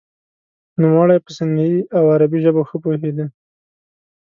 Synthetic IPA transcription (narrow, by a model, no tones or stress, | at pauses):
numwɑɽajpəsɪnd̪ajiawaɾabiʒəboxəpoɦed̪i